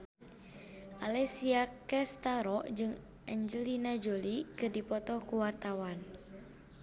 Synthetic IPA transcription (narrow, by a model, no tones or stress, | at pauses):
ʔalɛsiakɛst̪aɾɔʔd͡ʒɨŋ | ʔɛɲd͡ʒəlinad͡ʒolikɨdipɔt̪ɔkuwart̪awan